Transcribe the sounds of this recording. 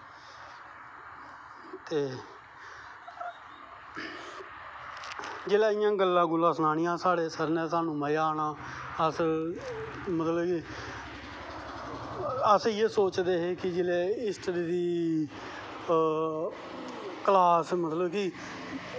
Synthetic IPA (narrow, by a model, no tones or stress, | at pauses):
t̪eː | d͡ʒeːlɛːɪjãːɡəlːãːɡʊlãːsnaːnɪjãːsaːɽeːsəɾnɛ̃ːsaːnũːməaːnaːəs | mət̪ləbki | əseːsoːt͡ʃd̪eːɦeːkɪd͡ʒɪlɛːɪsʈəɾiːɾiː | kəlaːsmət̪ləbki